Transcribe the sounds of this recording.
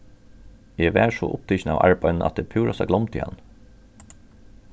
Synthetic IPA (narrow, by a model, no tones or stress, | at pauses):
jɛːʋæːʂɔ̰ːʔʊp̚t̪ʰɪçn̩ɑːʋʔɑ̰ɹbɑʏnn̩ʔɑ̰t̪̚d̪eːpʰuːɹɑsɑɡlɔmt̪ʰɪ̰ːɑ̰n